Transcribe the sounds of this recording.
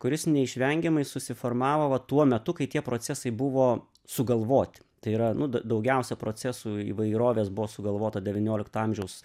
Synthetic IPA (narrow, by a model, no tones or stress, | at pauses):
kʊɾʲɪsnʲɛɪʃʲʋʲɛŋʲɡʲɛmɐɪsʊsʲɪformɑːʋoːʋɐt̪uɔmʲɛt̪ʊkɐɪt̪ʲiɛpɾoːt͡s̪ʲɛsɐɪbʊʋoː | sʊɡɐlˠʋoːt̪ʲɪ̥t̪ɐɪiːɾɐnʊd̪ɐd̪ɐʊɡʲɛʊsʲɛpɾoːt͡s̪ʲɛsuːḭːʋɐɪɾoːʋʲeːsbʊʋoːsʊɡɐlˠʋoːt̪ɐd̪ʲɛʋʲɪnʲoːlʲɪkt̪ɐɐmʲʒʲɛʊs